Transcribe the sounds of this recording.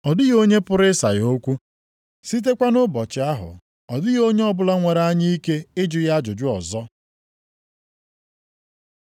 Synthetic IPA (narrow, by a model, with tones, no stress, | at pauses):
ɔ˨dɪ˦ɣo˦ɲe˦pʊ˦ɾɪ˦sa˨jo˦kʷu˦ | si˦t̬e˦kʷa˦nʊ˦bɔ˨t͡ʃɪ˨a˦ɦʊ̰˨ | ɔ˨dɪ˦ɣo˦ɲe˦ɔ˦bʊ˦la˦ŋʷe˨ɾa˦ɲi˦i˦ke˦ɪ˦d͡ʒʊ˨˦ja˦d͡ʒʊ˨d͡ʒʊ˦ɔ˨zɔ˦